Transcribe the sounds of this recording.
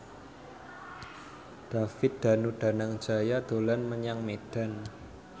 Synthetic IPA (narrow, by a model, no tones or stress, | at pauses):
d̪̥a̤fɪt̪̚d̪̥a̤nuɖ̥a̤naŋ̥d͡ʒ̥a̤jad̪̥o̤lanməɲaŋmed̥a̤n